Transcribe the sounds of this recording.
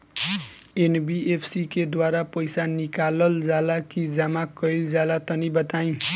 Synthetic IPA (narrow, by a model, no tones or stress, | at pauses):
enbiepʰsiked̪waɾapʌjsanikalʌld͡zalakid͡zamakʌjld͡zalat̪ʌnibʌt̪aĩ